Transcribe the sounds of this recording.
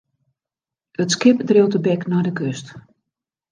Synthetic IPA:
ətskɪpdriwtəbɛknɔjdəkøst

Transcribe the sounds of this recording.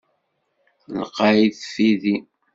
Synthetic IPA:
ləqɑiθfiði

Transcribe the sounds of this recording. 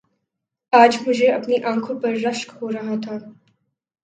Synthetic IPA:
aːd͡ʒmʊd͡ʒʱeɐpniʔãːŋkʰõpɐɾːɐʃkhoɾɐɦat̪ʰaː

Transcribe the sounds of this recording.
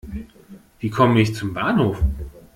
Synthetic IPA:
viːkʰɔməɪçt͡sʊmbaːnhoːf

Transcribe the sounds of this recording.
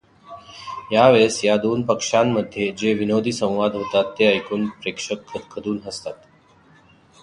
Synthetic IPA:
jaʋeɭsjad̪oːnpəkʂamːəd̪ʱːjed͡ʑeʋinod̪ʱiːsə̃w̃ʋad̪ʱɦot̪at̪ːeajkuːnpɾekʂəkʰːəd̪kʰəd̪uːnɦəst̪at̪

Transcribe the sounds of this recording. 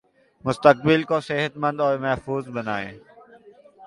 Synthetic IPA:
mʊst̪ək̚bɪlkoseɦət̪mə̃nd̪ɔːɾmɛɦfuːzbɐnaːḛ̃ː

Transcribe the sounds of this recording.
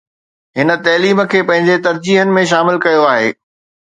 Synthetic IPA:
ɦɪnə̆t̪ɐːliːmə̆kʰeːpɐ̃ɦɪ̃ɲd͡ʑet̪ɐɾd͡ʑiːɦənɪ̆mẽʃaːmɪlkɐjoaːɦḛː

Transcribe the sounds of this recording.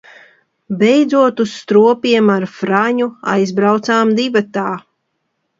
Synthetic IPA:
bɛjd̪zuɔt̪usːt̪ɾuɔpiɛmaɾfɾaɲua̰jzbɾawt̪saːmd̪ibat̪aː

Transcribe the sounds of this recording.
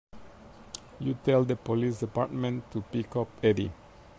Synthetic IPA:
jutɛldəpolis̬dipa̰t̚mɛ̃ntʰːupikɔpɛdḭ

